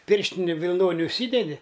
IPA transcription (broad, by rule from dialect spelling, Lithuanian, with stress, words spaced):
ˈpʲɪrʲʃʲtʲɪnʲɪ ʋʲɪlˠˈnoːnʲɪ ʊʃʲˈsʲiːdʲɛdʲɪ